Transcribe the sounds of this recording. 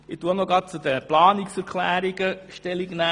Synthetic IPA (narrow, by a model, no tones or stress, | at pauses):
ɪt̪uənɔɡɑːt̚t͡sud̪əplɑːnɪksɛɾkʰlæːɾiɡəʃtɛliɡnæ